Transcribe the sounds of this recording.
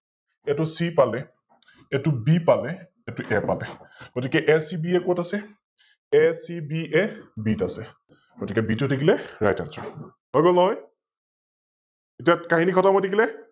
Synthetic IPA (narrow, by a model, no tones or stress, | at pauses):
ɛtʊsipalɛ | ɛtʊbipalɛ | ɛtuʔɛpa̰lɛɡ̥otikɛʔɛsibiɛkotasɛ | ɛsibiɛbitasɛ | ɡ̥otikɛbitutʰekʰilɛɹa̰jtansɔ̰ | ɦɔjɡolnɔɦɔj | etiakaɦinikʰɔtamɔtʰikilɛ